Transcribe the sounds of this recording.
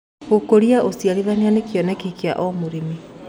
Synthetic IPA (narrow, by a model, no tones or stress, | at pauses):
ɣokoɾiaʔosjaɾiðanianekjɔnɛkikia̰ʔɔmoɾimi